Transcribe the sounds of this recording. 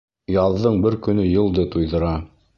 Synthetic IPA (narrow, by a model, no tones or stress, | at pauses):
jɑðɤɴbɘɾkɵ̆nɵjɤ̆lˠd̪ɤt̪ujðɤ̆ɾɑ